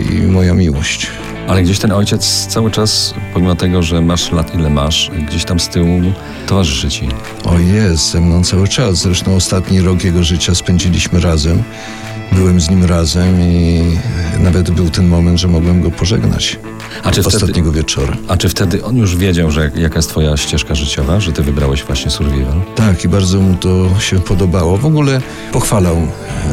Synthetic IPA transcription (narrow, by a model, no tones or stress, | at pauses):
ḭmɔjamʲiwɔɕt͡ɕ | alɛɡd͡ʑeɕt̪ɛnɔjt͡ɕɛt̪st̪sawɘt͡ʂaspɔmʲimɔt̪ɛɡɔʐɛmaʂlat̪ilɛmaʂɡd͡ʑeɕt̪amst̪ɘwu | t̪ɔvaʐɘʂɘt͡ɕi | ɔjɛst̪zɛmnɔ̃w̃t̪sawɘt͡ʂaszɾɛʂt̪ɔ̃w̃ɔst̪at̪ɲiɾɔkjɛɡɔʐɘt͡ɕaspɛnɲd͡ʑilʲiɕmɘɾazɛm | bɘwɛmzɲimɾazɛmi | navɛd̪bɘwt̪ɛnmɔmɛnt̪ʐɛmɔɡwɛmɡɔpɔʐɛɡna̰t͡ɕ | aɔst̪at̪ɲɛɡɔvʲjɛt͡ʂɔɾa̰at͡ʂɘft̪ɛd̪ɘʔɔnjuʐvʲjed͡ʑawʐɛjakajɛst̪fɔjaɕt͡ɕɛʂkaʐɘt͡ɕɔvaʐɛt̪ɘvɘbɾawɛɕvwaɕɲɛsuɾvʲivant̪akibaɾd̪zɔmut̪ɔɕɛpɔd̪ɔbawɔvɔɡulɛ | pɔxfalaw